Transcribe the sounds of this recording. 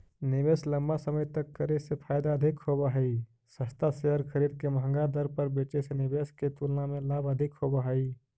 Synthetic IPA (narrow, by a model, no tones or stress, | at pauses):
nɪbeːsləmbasəməjt̪əkːəɾesepʰaːjd̪aəd̪ʱɪkhobaɦəi | səst̪aseɦəɾkʰəɾiːd̪̚keməɦə̃ŋɡad̪əɾpəɾbeːt͡ʃesenɪbeːsket̪ulnamẽlabəd̪ʱɪkhoːbaɦəi